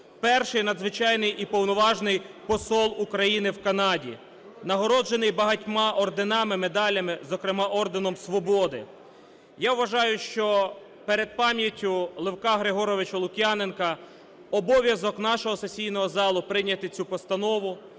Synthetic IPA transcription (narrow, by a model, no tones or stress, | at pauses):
pɛrʃɪjnɐd̪zʋɪt͡ʃɑjnɪjipɔwnɔʋɑʒnɪjpɔsɔlˠukɾɐjinɪwkɐnɑdʲḭ | nɐɦɔɾɔd͡ʒenɪjbɐɦɐtʲmɑʔɔrd̪enɑmɪmed̪ɑlʲɐmɪzɔkɾɪmɑʔɔrd̪enɔmsʋɔbɔd̪ɪ | jawʋɐʒɑjʊʃt͡ʃɔ | peɾed̪̚pɑmʲjɐtʲːʊlˠɪwkɑɦɾɪɦɔɾɔʋɪt͡ʃɐlˠʊkʲjanenkɐ | ɔbɔʋʲjɐzɔkn̪ɑʃɔɦɔsesʲijnɔɦɔzɑlˠʊpɾɪnʲɐt̪ɪt͡sʲupɔst̪ɐnɔʋʊ